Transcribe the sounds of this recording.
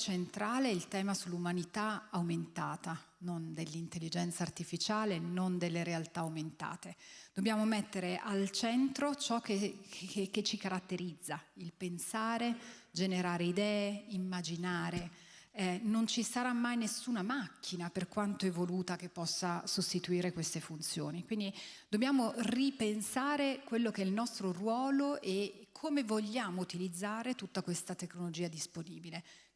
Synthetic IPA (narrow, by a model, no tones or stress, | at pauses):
t͡ʃent̪ɾaːleilt̪ɛːmasulːumanit̪aawment̪aːt̪anond̪elːint̪elːid͡ʒɛnt̪saːrt̪ifit͡ʃaːlenond̪elːeɾealt̪aːwment̪a̰ːt̪ed̪̥objaːmomɛt̪ːeɾeʔalt͡ʃɛnt̪ɾot͡ʃɔkːe | kːet͡ʃːikaɾat̪ːeɾid̪zːailpensaːɾe | d͡ʒeneɾaːɾeid̪ɛːeimːad͡ʒinaːɾe | ɛnont͡ʃisaɾamːajnesːuːnamakʰːinaperkwant̪oɛvːoluːt̪ak̟epːɔsːasost̪it̪uiːɾekwest̪efunt̪sjo̰ːnikwind̪id̪objaːmoripensaːɾekwelːokeɛilnɔst̪ɾorwɔːloʔekʰomevoʎːaːmout̪ilid̪zːaːɾet̪ut̪ːakwest̪at̪ekːnolod͡ʒiːad̪isponiːbile